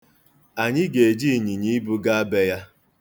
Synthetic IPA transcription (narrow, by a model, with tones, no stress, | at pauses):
a˨ɲɪ˦ɡe˨e˨d͡ʒi˦˨ɲi˨ɲi˦bu˦ɡa˦a˦be˦ja˦